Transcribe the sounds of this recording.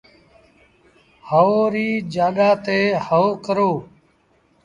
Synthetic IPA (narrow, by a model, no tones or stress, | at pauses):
həoːɾiːd͡ʒaːɗaːt̪eːhəoːkəɾoː